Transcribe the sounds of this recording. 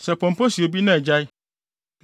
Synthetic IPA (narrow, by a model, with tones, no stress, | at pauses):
sɛ˨pʰɔ̃˨m˨pʰɔ˦si˨o˨bi˦nã˦˨d͡ʑa˦j